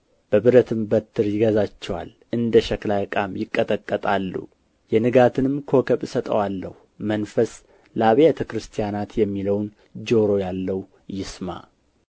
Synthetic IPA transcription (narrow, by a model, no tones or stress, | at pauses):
b̥əβɨɾət̪ʰɨmbət̪ʰːɨɾjɪɡəzat͡ʃːɛwa̰l | ʔɨnd̪əʃəklajkʼamjɪkʼːət̪ʼəkʼːət̪ʼalːṵ | jɛnɨɡat̪ʰɨnɨmkʰo̞kʰəβsət̪ʼə̰walːəh | mənfəs | ləaβjɛt̪ʰəkɾɨst̪ʰijanat̪jɛmːiləwn | d͡ʒo̞ɾo̞jalːəw | jɪsma̰